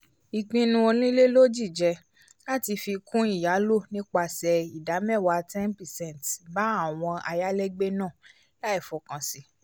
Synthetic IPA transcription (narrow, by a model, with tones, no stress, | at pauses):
i˨k͡pĩ˧nũ˧o˧nĩ˦le˦lo˦d͡ʒi˦˨d͡ʒɛ˧ | la˦ti˧fi˧kũ˦i˦˨ja˨˦lo˦˨nĩ˦k͡pa˧sɛ˧i˨da˨˦mɛ˦˨wa˧tɛ̃˦npɛ˨sɛ̃˦˨n˨tba˨˦a˦˨w̃ɔ̃˧a̰˧ja˦lɛ˦ɡ͡be˦nãː˦˨ | la˦i˦˨fɔ˨kã˨si˧˦